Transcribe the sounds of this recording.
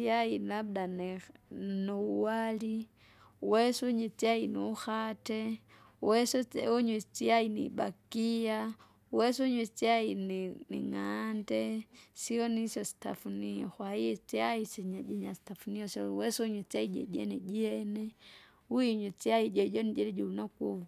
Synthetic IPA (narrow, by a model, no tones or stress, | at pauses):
t͡siailabdan | nuuwali | wɛsuɲit͡siainuuxatɛ | wɛsɔuɲwit͡siainḭba̰kia | wɛsuɲwit͡siainnḭŋandɛsiɔnisjɔsi̥ta̰funiɔxwaiɛt͡siaisiɲad͡ʒɛɲasi̥tafuniɔsɔwɛsuɲwit͡siaid͡ʒɛ̰ɟɛnɛɟiɛnɛ | uiɲwit͡siaiɟɔɟɔnid͡ʒɛɾɛɟuunakuwu